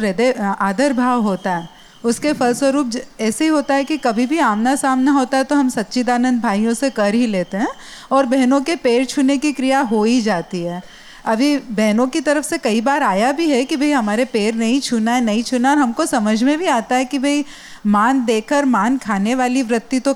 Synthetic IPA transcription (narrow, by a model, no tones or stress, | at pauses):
ɾed̪eaːd̪əɾbʱaːʋɦoːt̪aɦɛː | ʊskefɐlswəɾuːp̚ɛːseɦiɦoːt̪aɦɛkikɐbʱibʱiaːmnasaːmnaɦoːt̪aɦɛt̪oɦɐmsɐt̪ːʃʰid̪aːnə̃nd̪̚bʱaːijõsekɐɾɦileːt̪eɦɛ̃ː | ɔːɾbɛɦnõkepeːɾt͡ʃʰuːnekikɾijaɦoːid͡ʒaːt̪iɦɛː | ɐbʱibɛɦnõkit̪ɐɾəfsekɐibaːɾaːjabʱiɦɛkibʱɐiɦɐmaːɾepeːɾnɐɦĩt͡ʃʰʊnaɦɛnɐɦĩt͡ʃʰʊnaɔːɾɦɐmkosɐməd͡ʒʱmẽbʱiaːt̪aɦɛkibʱɐi | maːnd̪eːkʰəɾmaːnkʰaːneʋaːliʋɾɪt̪ːit̪o